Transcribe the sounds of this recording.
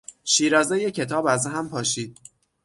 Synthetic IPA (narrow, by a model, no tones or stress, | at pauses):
ʃiːɾɒːzejecʰe̞t̪ʰɒːbæzɦæmpʰɒːʃiːd̪̥̚